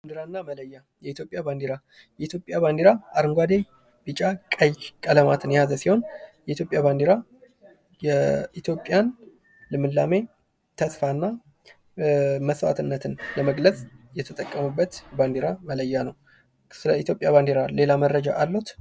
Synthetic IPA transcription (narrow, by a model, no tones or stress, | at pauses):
baand̪eɾanːamələjːa | jɛit̪jo̞pʼjaband̪eɾa | jɛit̪jo̞pʼjaβand̪eɾaʔaɾɨŋɡʷad̪e̞ | bɨt͡ʃʼakʼəjkʼələmat̪ʰɨnjazəsiho̞njɛit̪ʰjo̞pʼjaβand̪eɾa | jɛit̪jo̞pʼːjan | lɨmɨlːame̞ | t̪ʰəsfanːa | məswa̰t̪ʰɨnːət̪ʰɨnləməɡləsʼjɛt̪ʰət̪ʼəkʼːəmubːət̪band̪eɾamələjːanəw | sɨləit̪ʰjopʼjaβand̪eɾale̞laməɾːəd͡ʒaʔalːot̪